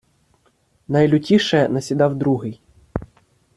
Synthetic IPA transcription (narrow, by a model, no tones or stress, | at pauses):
nɐjlʲʊtʲiʃɛnɐsʲid̪ɑwd̪ɾuɦɪj